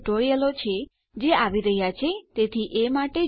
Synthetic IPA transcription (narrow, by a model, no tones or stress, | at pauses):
ʈoɾiəlot͡ʃʰe | d͡ʒeaʋiɾəɦjat͡ʃʰet̪et̪ʰiʔemaʈe